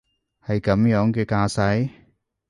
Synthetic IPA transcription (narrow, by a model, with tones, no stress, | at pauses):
hɐ˨jkɐ˨˥mjœː˨˥ŋkɛː˧kaː˧sɐ˨˥j